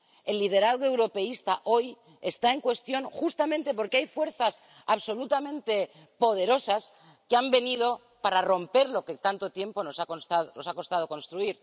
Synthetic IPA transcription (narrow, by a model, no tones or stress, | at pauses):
e̞lːið̞e̞ɾaðɣoe̞wɾo̞pe̞ist̪aʔo̞j | e̞st̪ae̞ŋkwe̞st̪jo̞ŋxust̪amẽnt̪e̞po̞ɾkeajfwe̞ɾθas | aβso̞lut̪amẽnt̪e̞ | po̞ð̞e̞ɾo̞sas | keambe̞nið̞o̞ | paɾaro̞mpe̞ɾlo̞ket̪ant̪o̞t̪je̞mpo̞nosakonst̪aðono̞sako̞st̪að̞o̞ko̞nst̪ɾuiɾ